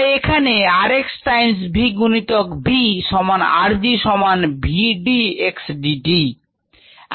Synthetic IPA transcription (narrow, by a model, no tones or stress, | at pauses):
ekʰaneaɾeksʈajmsbʱiɡunit̪okbiʃɔmana̰ɾd͡ʑiʃɔmanbʱiɖieksɖiɖi